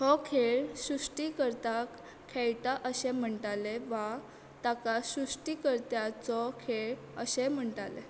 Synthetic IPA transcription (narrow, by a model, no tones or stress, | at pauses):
hɔkʰeɭsɾusʈikəɾt̪ak | kʰːɛɭt̪aʔəɕem̤əɳʈaleʋa | t̪akasɾusʈikəɾt̪jat͡sɔkʰeɭ | əɕem̤əɳʈale